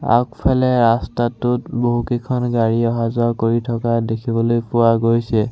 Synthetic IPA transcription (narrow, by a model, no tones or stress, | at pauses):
a̰kpʰalɛɹastatʊtboɦukekʰɔnɡaɹiɔɦazɔkoɹitʰɔkadekʰibɔlojpʊwaɡojsɛ